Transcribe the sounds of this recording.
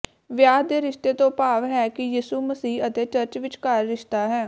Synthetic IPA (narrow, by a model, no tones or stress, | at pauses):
ʋjaːd̪eːɾɪʃt̪eːt̪õːpaːʋɦɛːkɪjiːsuːməsiːət̪eːt͡ʃəɾt͡ʃʋɪt͡ʃkaːɾːɪʃt̪aːɦɛː